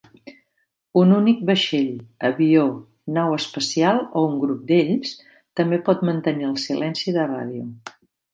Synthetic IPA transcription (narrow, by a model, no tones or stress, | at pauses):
ununik̚bəʃeʎəβio | nawəspəsialˠouŋɡɾup̚d̪eʎs | t̪əmbepɔt̪mənt̪əniəlˠsilʔɛnsiðəra̰ð̞iu